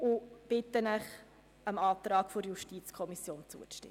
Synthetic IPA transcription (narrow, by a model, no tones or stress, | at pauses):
ʊb̥ɪt̪ːənəχ | əmɑːt̪ɾɑːkfoɾjuʃtiːt͡skʰɔmisjoːnt͡sṵəʃtɪ̰